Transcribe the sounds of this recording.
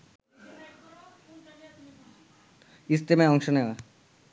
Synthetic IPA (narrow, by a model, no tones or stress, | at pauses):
ist̪emeɔŋʃoneoa